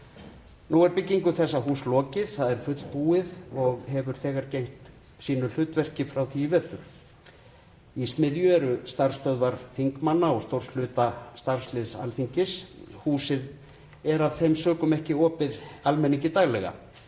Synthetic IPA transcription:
nuɛɾpɪcːiŋkʏθɛsːaɦuːslɔːcɪð̥θaðɛɾ̥fʏt̪l̥puːɪðɔɣhɛvʏɾ̥θɛːɣaɾcejŋ̥t̪ | siːnʏl̥ʏt̪vɛr̥cɪfɾawθiivɛːt̪ʏɾ̥ | ismɪðjʏɛɾʏst̪ar̥st̪œðvaɾ̥θiŋkmanːaɔɣst̪owɾ̥sl̥ʏːt̪ast̪aɾ̥slɪðsa̰lθiɲcɪshuːsɪð | ɛɾav̥θejmsœːkʏmɛhcɪɔːpɪðalmɛnːiɲcɪt̪aɣlɛɣa̰

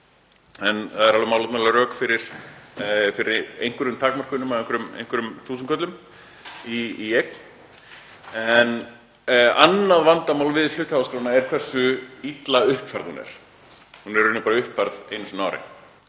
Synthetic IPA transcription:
ɛnθaðɛɾalvamaːwlat̪naðɛlaɾœːkfɪɾɪɾ̥ | fɪɾɪɾḛjŋ̥kʏɾʏmt̪ʰaːkmarkʏnʏmaðejŋkʏɾʏmḛjnŋ̥kʏɾʏmθuːsʏnkœt̪lʏm | iijɛk̪̚ | ɛn | anːaðvant̪amaːwlvɪðl̥ʏht̪hawaskɾawnaɛɾ̥kʰvɛr̥sʏit̪laʏhpfaɾð̥hṵnɛ̰ɾ̥ | hunɛɾʏnːʏpaɾaʏhpfaɾðejnʏsʏnaːwɾɪ̰

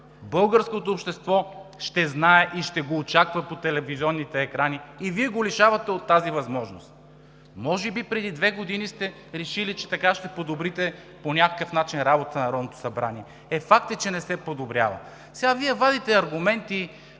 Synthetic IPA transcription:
bɤlˠɡəɾskot̪oːpʃt̪ɛst̪vɔʃt̪ɛznaɛʔiʃt̪ɛɡoːt͡ʃakvɐpot̪ɛlɛvizʲiɔnːit̪ɛːkɾaniːviɛɡoliʃavɐt̪ɛot̪ːazivɐzmɔʒno̰st̪̚ | mɔʒɛbipɾɛd̪id̪vɛɡod̪inist̪ɛ | ɾɛʃilit͡ʃɛt̪ɐkaʃt̪ɛpod̪obɾit̪ɛ | ponʲakə̥kəfnat͡ʃinɾabot̪ənɐɾɔd̪not̪o̥sɐbɾa̰niɛ | ɛfak̚t̪ət͡ʃɛnɛsɛpod̪obɾʲja̰və̰ | sɛɡaviɛvad̪it̪ɛɐɾɡʊmɛnt̪i

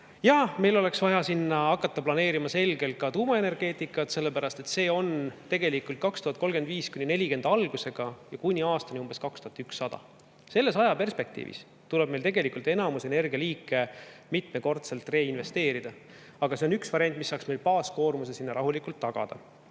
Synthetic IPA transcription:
jɑme̞jlo̞le̞ksvɑjɑsinːɑɑkːˑɑt̪ːɑplɑne̞ːɾimɑse̞lɡ̥e̞lt̪̚kɑt̪uːmɑe̞ne̞rɡ̥e̞ːt̪ˑikːˑɑt̪se̞lːe̞pæɾɑst̪e̞t̪se̞ːo̞nt̪e̞ɡe̞likˑult̪kɑkst̪uhɑt̪̚ko̞lɡ̥e̞nd̪viːskunʲinelʲike̞nd̪̥ɑlɡ̥use̞ɡ̥ɑjɑkunʲiɑːst̪ɑnʲiumb̥e̞skɑkst̪uhɑt̪yksːɑd̪̥ɑ̰ | se̞lːe̞sɑjɑpe̞rspe̞k̚t̪ḭːvḭs | t̪ule̞b̥̚melt̪e̞ɡe̞likult̪ˑe̞nɑmuse̞ne̞rɡiɑliːkːˑe̞mit̪ˑme̞ko̞rt̪se̞lt̪ːˑre̞ːinve̞st̪e̞ːɾid̪ɑ | ɑɡ̥ɑse̞o̞nyksvɑɾʲiɑnt̪̬ːˑmisːɑːksme̞jlpɑːsko̞ːrmusesinːɑɾɑɦulikːˑult̪ːɑɡ̥ɑ̰d̪̥ɑ̰

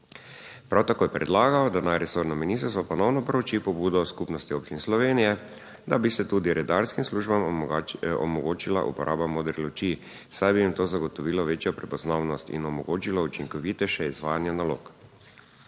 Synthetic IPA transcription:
pɾawt̪akoːjɛpɾɛd̪laːɡaɔd̪anajɾɛsoːɾnɔminist̪ɾst̪ɔpɔnɔwnɔpɾowt͡ʃipɔbuːd̪ɔskupnɔst̪ioːp̚t͡ʃinɛslɔʋeːnijɛ | d̪abisɛt̪ud̪iɾɛd̪aɾskimsluːʒbam | ɔ̰mɔɡoːt͡ʃila̰ʔṵpɔɾʔaːbamoːd̪ɾilot͡ʃi | sajbijimt̪oːzaɡɔt̪ɔʋiːlɔʋeːt͡ʃjɔpɾɛpɔznawnɔst̪ḭnɔmɔɡoːt͡ʃilɔut͡ʃiŋkɔʋit̪ɛʃɛizʋaːjanjanalo̰ːk

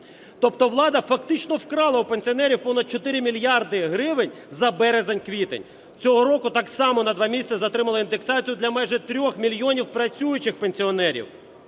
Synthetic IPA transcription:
t̪ɔpt̪ɔʋlˠɑd̪ɐfɐkt̪ɪt͡ʃnɔwkɾɑlˠɐwupenʲsʲiɔnɛɾʲiwpɔnɐd̪̚t͡ʃɔt̪ɪɾʲɪmʲilʲjɑrd̪ɪɦɾɪʋɪnʲ | zɐbɛɾezenʲkʋʲit̪ḛnʲ | t͡sʲɔɦɔɾɔkʊt̪ɑksɑmɔnɐd̪ʋɑmʲisʲtt͡sʲɐzɐt̪ɾɪmɐlˠɐind̪eksɑt͡sʲijʊd̪lʲɐmɛjʒɛt̪ɾʲɔxmʲilʲjɔnʲiwpɾɐt͡sʲujʊt͡ʃɪxpenʲsʲiɔnɛɾʲḭw

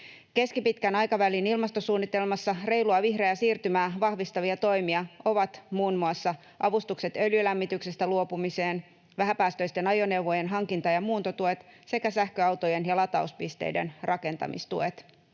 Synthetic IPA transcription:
ke̞skipit̪kænɑjkɑʋælinilmɑst̪o̞suːnːit̪e̞lmɑsːɑre̞jluɑʋiɦrejæsiːrt̪ymæːʋɑhʋist̪ɑʋiɑt̪o̞jmiɑo̞ʋɑt̪muːnmuɑsːɑ | ʔɑʋust̪ukse̞t̪ø̞ljylæmːit̪yksest̪æluo̞pumise̞ːn | ʋæɦæpæːst̪ø̞jst̪e̞nɑjone̞wʋo̞je̞nɦɑŋkint̪ɑjɑmuːnt̪o̞t̪ue̞t̪se̞kæsæhkø̞ɑwt̪o̞je̞njɑlɑt̪ɑuspist̪e̞̰jde̞̰nrʔɑke̞nt̪ɑ̰mḭst̪ue̞t̪

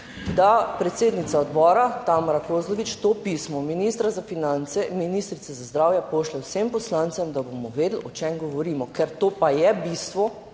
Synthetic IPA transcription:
d̪apɾɛt̪seːd̪nit̪saɔd̪bɔːɾat̪aːmaɾakoːzlɔʋit͡ʃt̪oːpiːsmɔminist̪ɾazafinant̪sɛminiːst̪ɾit̪ɛzazd̪ɾaːwjɛpoːʃlɛwsempɔslãnt̪sɛmd̪abomɔʋeːd̪l̩ɔt͡ʃemɡɔʋɔɾiːmɔkɛɾt̪oːpajɛbist̪ʋɔ

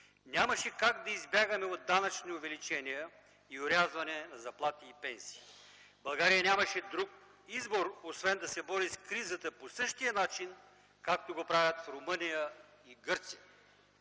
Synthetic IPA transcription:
nʲamɐʃɛkaɡd̪ɐizbʲaɡɐmɛod̪ːanɐt͡ʃniovɛlit͡ʃɛnijə | ioɾʲazvɐnɛnɐzɐplˠat̪iːpɛnsi̥ː | bɐlˠɡaɾijənʲamɐʃɛd̪ɾuk̚ | izboɾosvɛnd̪ɐsɛbɔɾiskɾizət̪əposɤʃt̪ijənat͡ʃin | kak̚t̪oɡopɾavʲɐt̪fɾomɤnijə | iɡɤɾt̪sijə

